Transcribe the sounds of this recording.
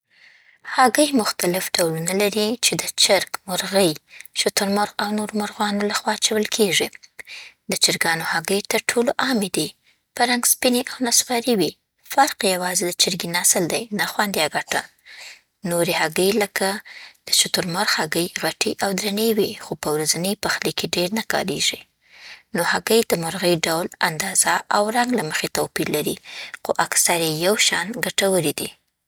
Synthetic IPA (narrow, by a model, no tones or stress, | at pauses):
haɡəjmʊxt̪alɪfɖawlunalaɾit͡ʃed̪ət͡ʃɪɾkmʊɾɣəjʃʊt̪ʊɾmʊɾɣawnoɾmʊɾɣwɑnolaxwɑt͡ʃawəlkʰeʐi | d̪ət͡ʃɪɾɡɑnohaɡəjt̪əɾʈʰoloʔɑmed̪i | pəɾaŋɡspineʔawnasɣɑɾiwi | faɾqjawɑzed̪ət͡ʃɪɾɡinɑsɪld̪ajnaxwɑnd̪jaɡaʈa | noɾehaɡəjləkad̪̥əʃʊt̪ʊɾmaɾxhaɡəjɣaʈiʔawd̪ɾanəwixopəwɾazanəjpaxlekeɖeɾnakɑ̰ɾḛʒi | nohaɡəjd̪̥əmʊɾɣəjɖawla̰nd̪ɑz̥aʔawɾaŋɡlaməxet̪awpiɾlaɾixoʔaksaɾejawʃɑ̰nɡaʈawəɾid̪i